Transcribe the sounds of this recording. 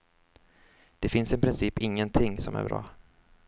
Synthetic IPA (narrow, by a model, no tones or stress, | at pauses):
d̪̥ɛfɪnsɪpʰɾɪnsiːpɪŋːənt̪ʰɪŋsɔmæ̰ɾbɾɑ̰ː